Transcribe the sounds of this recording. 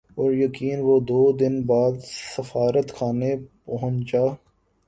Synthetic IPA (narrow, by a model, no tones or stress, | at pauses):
ɔːɾjɐkiːnʋod̪oːd̪ɪnbaːd̪ssəfaːɾət̪kʰaːnepɐɦʊ̃ɲt͡ʃaː